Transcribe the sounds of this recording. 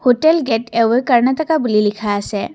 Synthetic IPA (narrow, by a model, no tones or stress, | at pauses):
hoʈelɡeʈewejkəɾnat̪əkabulilikʰaːsɛ